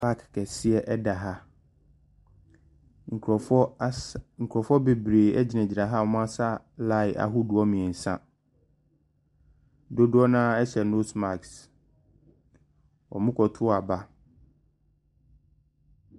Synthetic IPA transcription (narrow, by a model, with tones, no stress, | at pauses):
fa˦kkɛ˨sɪ˦ɛ˨ʔɛ˦da˨ɦa˦ | ŋ̩˨kɔ˨fɔ˦ŋ̩˨kʰɔ˨fɔ˦be˨bɾeː˨ɛ˦d͡ʑi˨næ̃˨d͡ʑi˨ɾa˨ɦa˦˨ɔ˨˦mʊ̃˦a˦sa˦ | la˦ɪ˨ʔa̰˨ɦʊ˦dʊ˨ɔ˦mĩ˨ɛ˨n̩˨sã˦ | do˦dʊ˦ɔ˦nã˦ɛ˦sɛ˨no˦sma˨ks | ɔ̰˨mʊ̃˦kʰɔ˨tʰʊ˦˨a˨ba˦